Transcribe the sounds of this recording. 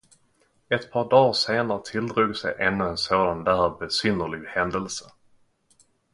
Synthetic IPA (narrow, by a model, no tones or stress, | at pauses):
ɛt̪pʰɑːɖɑːɾseːnaɾət̪ʰɪld̪ɾuːɡsɛ̰jʔɛnːɵɛnsoːd̪and̪ææbɛsʏnːəɭɪɡhɛnd̪əlsə